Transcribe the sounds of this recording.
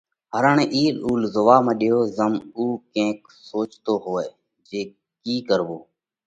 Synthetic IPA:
ɦəɾəːɳẽːʔiːɗuːlzʊʋaːmẽːɗɪjoːzəmuːkẽːk | soːt͡ʃt̪oːɦoːeː | d͡ʒeː | kiːkəɾʋoː

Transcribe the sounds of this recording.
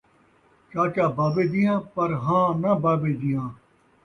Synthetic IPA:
t͡ʃaːt͡ʃaːbaːbeːd̪ɪjãːpɐɾɦãːnɐbaːbeːd̪ijãː

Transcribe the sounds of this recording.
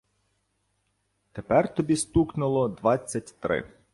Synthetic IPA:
t̪epɛrt̪ɔbʲist̪uknʊlˠɔd̪ʋɑt͡sʲːɐtʲt̪ɾɪ̰

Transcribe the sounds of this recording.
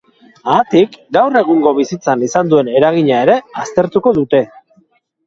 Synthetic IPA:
aːt̪ikɡawre̞ɣuŋɡo̞βisit͡sanisand̪ue̞ne̞ɾaɣ̞iɲae̞ɾe̞ast̪e̞ɾt̪uko̞ðut̪e̞

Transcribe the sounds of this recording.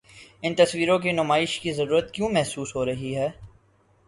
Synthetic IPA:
ɪnt̪ɐsʋiːɾõk̬inʊmaːɪʃkizɐɾuːɾət̪kjõːmɛɦsuːsɦoɾɐɦiɦɛː

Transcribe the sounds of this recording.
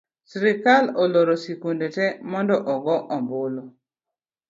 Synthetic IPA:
sɾɪkalɔloɾosikundetɛmɔndɔʔɔɡɔʔɔmbʊlo

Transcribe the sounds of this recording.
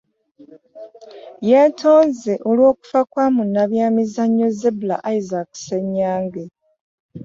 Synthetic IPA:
je̞tʰo̞ːnze̞ʔolwo̞ːku̥fakwaːmunːaβjaːmizaɲːo̞zebula̰ʔaizakse̞ɲːaːŋɡe

